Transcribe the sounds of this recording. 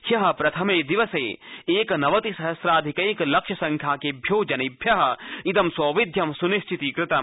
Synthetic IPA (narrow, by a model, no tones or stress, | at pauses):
hjɐɦɐ̆pɾɐt̪ʰɐmeːd̪iʋɐseːeːknɐʋɐt̪isɐɦɐsɾaːd̪ʱikɐiklɐkʃɐsɐ̃ŋkʰjaːkebʱjoːd͡ʒɐnibʱjɐɦɐ̆id̪ɐmsoːʋid̪ʱjɐmsuniʃt͡ʃʰit̪ikɾɪt̪ɐm